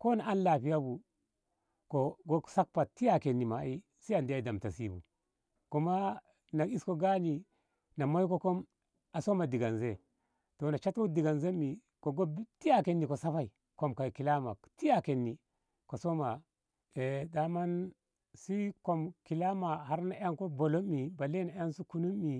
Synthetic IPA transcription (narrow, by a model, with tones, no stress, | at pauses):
ko˦na˨a˦nla˨pi˦ja˦bu˨ | ko˨ɡo˦sa˦k̚pa˨ti˦ja˨ke˨nːi˨ma̰˨i˦ | si˦a˨ndi˦a˦da˨mta˨si˦bṵ˨ | ku˦ma˦ | na˨i˦sko˨ɡa˦ni˨ | na˨ma˦jko˦ko˦m | a˨so˦ma˨di˨ɡa˨nze˦ | to˨na˨t͡ʃa˦to˦di˨ɡa˨nze˦mi˨ | ko˨ɡo˦bti˦ja˦ke˨nːi˨ko˨sa˦fa˦i˨ | ko˨mka˨ki˨la˦ma̰˨ti˦ja˨ke˨nːi˨ | ko˨so˦ma˨ | e˨da˨˦ma˦n | si˦ko˨mki˨la˦ma˨ha˦ɾna˨˦ja˦ŋko˦bo˨lo˦mːi˨ba˨le˦na˨˦a˦nsu˦ku˦nu˦mːi˨